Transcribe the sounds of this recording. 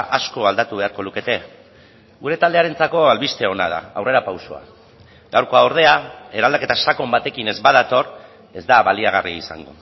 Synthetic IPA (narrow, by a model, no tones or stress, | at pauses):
ʔasko̞ald̪at̪uβe̞aɾko̞luke̞t̪e̞ | ɡuɾe̞t̪ald̪eaɾe̞nt͡sako̞alβist̪e̞o̞na̰ð̞a̰awre̞ɾapawso̞a̰ | ɡawɾko̞aoɾð̞e̞ae̞ɾald̪ake̞t̪asako̞mbat̪e̞kine̞zbað̞at̪o̞r | e̞zd̪aβaliaɣ̞ariisa̰ŋɡo̰